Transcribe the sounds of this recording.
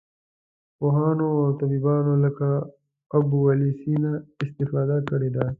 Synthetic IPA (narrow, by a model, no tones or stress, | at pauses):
poːɦaːnoɔːɾt̪ɐbiːbaːnõlɐka | ɐbuwɐliːsiːnaɪst̪ɪfaːd̪akɐɽeːd̪aː